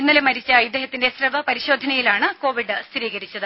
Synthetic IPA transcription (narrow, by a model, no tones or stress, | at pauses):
inːɐlmɐɾit͡ɕːɐjid̪ːeɦɐt̪ːindesrɐʋɐpɐɾiɕo̞ːd̪ʱɐnɐjilaːɳɨko̞ːʋiɖɨst̪ɾiːɣɐɾit͡ɕːɐðɨ